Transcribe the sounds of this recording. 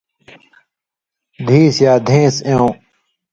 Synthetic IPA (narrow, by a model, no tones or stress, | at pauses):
d̪ʱiːsjaːd̪ʱẽːseõː